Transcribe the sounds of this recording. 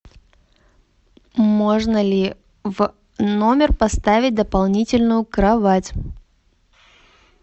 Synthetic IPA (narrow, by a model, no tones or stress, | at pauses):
moʐnəlʲɪ | v | no̞mʲɪrpɐst̪avʲɪt̚ʲd̪əpɐlˠnʲitʲɪlʲnʊjʊkɾɐvatʲ